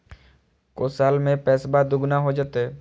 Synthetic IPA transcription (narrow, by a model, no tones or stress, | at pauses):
koːsaːlmẽpɛːsbad̪ʊɡnaɦod͡ʒat̪ɛː